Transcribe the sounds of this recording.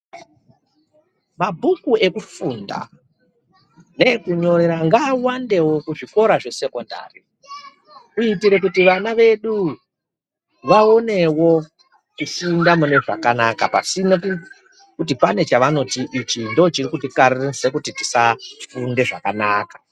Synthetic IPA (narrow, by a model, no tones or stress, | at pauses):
mabʱukue̞kufunda̰ | ne̞kuɲo̞ɾeɾaŋɡaːwande̞wo̞kuʐiko̞ɾaʐe̞se̞ko̞nda̰ːri | uitiɾe̞k̬utiʋanaʋe̞ɗu | ʋao̞ne̞wo̞ | kufundamune̞ʐa̰kanakapa̰sinoku | kut̬ipane̞t͡ʃaʋano̞tiʔit͡ʃindot͡ʃirikutikaɾirese̞kutiti̥safunde̞ʐa̰kanaːkḁ